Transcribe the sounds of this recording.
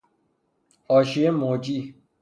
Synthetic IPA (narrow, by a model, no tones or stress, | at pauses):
ɔʃiemod͡ʒi